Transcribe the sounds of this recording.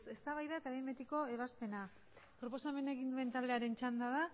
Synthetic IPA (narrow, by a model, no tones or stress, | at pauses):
se̞st̪aβajðaet̪aβembet̪iko̞e̞βaspe̞na | pɾo̞po̞same̞ne̞ɣind̪ue̞nt̪ald̪e̞aɾe̞nt͡ʃand̪aða